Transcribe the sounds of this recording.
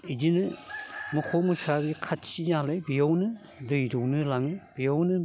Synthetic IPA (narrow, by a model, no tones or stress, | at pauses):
id͡ʒinɯmukʰɔmusabikʰat̚sinalɯjbijawnɯ | dɯjɾɔwnɯlaŋɯjb̥ijawnɯ